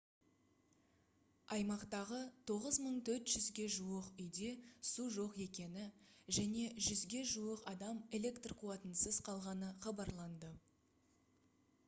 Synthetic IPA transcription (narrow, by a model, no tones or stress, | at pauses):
ɑjmɑqt̪ɑʁət̪ʰo̞ʁəzməɴt̪ʰɵɾt̪ʒʏzɡʲe̞ʒuəqʏjd̪e̞suʒo̞qe̞kʲe̞nɪʒæne̞ʒʏzɡʲe̞ʒuəqɑd̪ɑme̞le̞kt̪rqʰuɑt̪ənsəzqʰɑlˠʁɑnəχɑbɑɾlˠɑnd̪ə